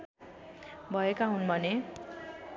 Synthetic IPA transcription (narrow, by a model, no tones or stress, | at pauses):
bʱʌekaɦunbʱʌne